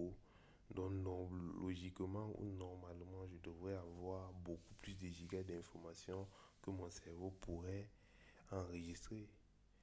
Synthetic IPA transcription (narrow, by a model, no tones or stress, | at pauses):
d̪ɔ̃nɔloʒikmãṵnɔʁmalmãʒəd̪əvʁɛavwaʁbokuplysd̪əʒikad̪ɛ̃fɔʁmasjɔ̃kəmɔ̃sɛʁvopʰuʁɛ | ãʁəʒist̪χe